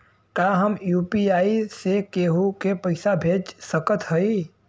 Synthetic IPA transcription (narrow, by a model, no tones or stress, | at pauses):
kaːɦəmjuːpiaːisekeːɦokepəɪsabʱeːd͡ʒsəkət̪ɦəi